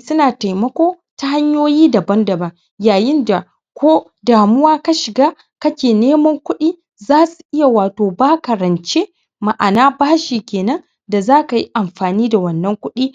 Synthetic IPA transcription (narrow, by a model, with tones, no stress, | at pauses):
sʊ˦naː˨ta˨jmɐ˦kʷoː˦ | ta˦ha˦ɲjoː˦jiː˦da˨bɐ˦ndɐ˨bɐ˨ŋ | jaː˨jɪ˦nda˨ | kʷʰoː˦ | daː˨mʊ˦waː˦ka˦ʃɪ˨ɡaː˦ | kɐ˦kʲeː˨neː˦mɐ˦ŋkʷʊ˦ɗiː˦ | zaː˦su̥˨ʔɪ˦ja˨waː˨toː˨baː˦kɐ˨ɾɐ˨nt͡ʃe˦ | ma˨ʔa˨naː˦baː˦ʃi˨kʲeː˨nɐ˦n | da˨zaː˦ka˨ji˦ʔa˨mɸaː˨niː˦da˨wɐ˨nːɐ˦ŋkʷʊ˦ɗiː˦